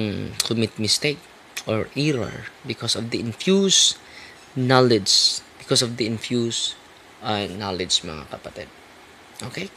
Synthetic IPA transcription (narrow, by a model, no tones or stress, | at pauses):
kʊmɪt̪̚mɪst̪ek̚ | ʔɔɹʔiɹɔ̰ɹbɪkɔsɔvd̪ɐʔɪnfjus | nalɛd͡ʒsb̥ɪkɔsɔvd̪iɪnfjus | ʔanalɛd͡ʒd͡ʒmɐ̰ŋa̰kɐpɐt̪ɛd̪̥̚ | ʔokej